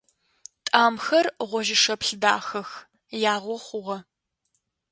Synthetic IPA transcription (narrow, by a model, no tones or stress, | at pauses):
tʼaːmxɐrʁʷɔʒɪʂɐpɬɨda̰ːxɐx | jaːʁʷɔχʷʊʁɐ